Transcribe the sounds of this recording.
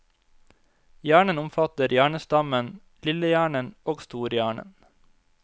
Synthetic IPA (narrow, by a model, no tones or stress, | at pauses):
jæːɳənʊmfɑt̪əɾjæːɳəsd̪ɑmən | lɪləjæːɳənoːɡst̪uːɾjæːɳə̰n